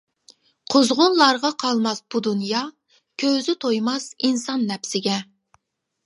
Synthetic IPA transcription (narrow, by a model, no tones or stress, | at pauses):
qʰozʁʊnlˠɑɾʁɑqʰɑlˠmɑsb̥ud̪unjɑ | kʲʰøwzɪt̪ʰojmɑsinsɑnːɛpsɪɡʲɛ